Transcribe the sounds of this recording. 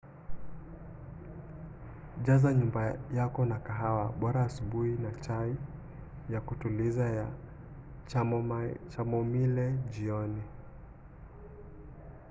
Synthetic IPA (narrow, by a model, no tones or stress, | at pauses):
ʄazaɲumbajakɔnakaɦawaɓɔɾaːsuɓuinat͡ʃai | jakutulizaa | t͡ʃamɔmilɛʄiɔni